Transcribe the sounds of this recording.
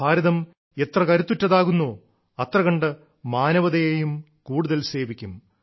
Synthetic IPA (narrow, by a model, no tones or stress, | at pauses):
bʱaːɾɐðɐm | e̞t̪rɐkɐɾut̪ːutːɐðaːɣunːoː | ɐt̪rɐɣɐɳɖɐ | maːnɐʋɐðɐjejum | kuːɽuðɐlse̞ːʋikʲːum